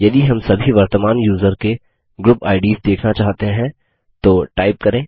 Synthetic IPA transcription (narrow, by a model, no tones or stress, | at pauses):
jɐd̪iɦɐmsɐbʱiʋɐɾt̪əmaːnjuːzəɾke | ɡɾʊpaːɪɖiːzd̪eːkʰnat͡ʃaːɦt̪eɦɛ̃ | t̪oːʈaːɪp̚kɐɾẽː